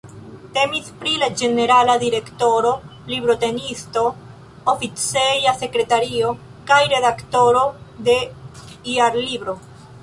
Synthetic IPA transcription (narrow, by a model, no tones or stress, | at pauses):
te̞mispɾilad͡ʒe̞ne̞ɾaladiɾe̞kto̞ɾo̞ | libɾo̞te̞nisto̞ | ofit͡sejase̞kɾe̞taɾio̞ | kajɾe̞dakto̞ɾo̞de̞iaɾlibɾo̞